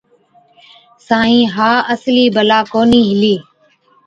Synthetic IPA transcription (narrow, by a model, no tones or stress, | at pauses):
sãːĩːɦaːəsliːbəlaːkoːniːɦɪliː